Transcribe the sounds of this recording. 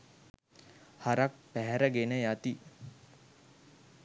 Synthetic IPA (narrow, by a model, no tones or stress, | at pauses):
haɾak̚pæɦɛɾəɡenəjat̪i